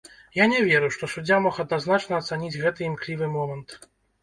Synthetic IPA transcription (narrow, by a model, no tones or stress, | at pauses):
janʲɛvʲɛɾɨʂt̪ɔsud͡zʲamɔxɐd̪naznat͡ʂnɐːt̪sanʲid͡zʲɣɛt̪ɨimklʲivɨmɔmɐnt̪